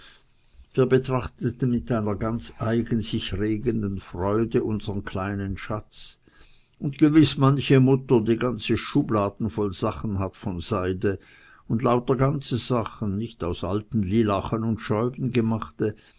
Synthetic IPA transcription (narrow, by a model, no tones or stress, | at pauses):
viːɐbətʁ̥aχtətn̩mɪtʔaɪnɐɡant͡sʔaɪɡənz̥ɪçʁeːɡəndənfʁɔʏdəʔʊnzəʁənkʰl̥aɪnənʃat͡s | ʊntɡ̥əvɪsmançəmʊtɐdiːɡant͡səʃuːblaːdn̩fɔlz̥aχn̩ɦatfɔnz̥aɪdə | ʊndlaʊtɐɡant͡səz̥aχənːɪçtaʊsʔaltn̩liːlaχənʊntʃɔʏbn̩ɡəmaχtə